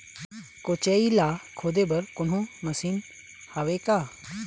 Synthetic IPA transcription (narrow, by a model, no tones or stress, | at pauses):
kot͡ʃeːilaːkʰoːd̪ebɐɾkʊn̤ɦũmɐsiːn | haʋekaː